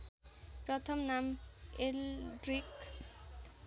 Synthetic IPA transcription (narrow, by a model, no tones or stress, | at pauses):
pɾot̪ʰomnamelɖɾik